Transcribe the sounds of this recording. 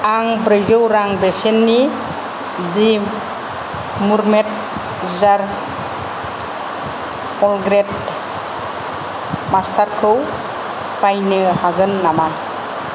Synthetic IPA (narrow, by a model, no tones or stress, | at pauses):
aŋbɾɯjdɯwɾaŋbesenːi | di | muɾmet̚ | zaɾ | pɔlɡɾet̚ | mastʰaɾkʰɯw | pajnɯhaɡɯnːaman